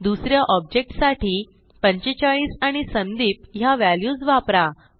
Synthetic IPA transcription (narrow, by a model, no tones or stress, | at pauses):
d̪usɾjaʔɔb̚d͡ʑek̚ʈsaʈiː | pəɲt͡ɕet͡ɕaɭiːsaɽ̃isənd̪iːpɦjaʋæljuːd͡zʋapɾa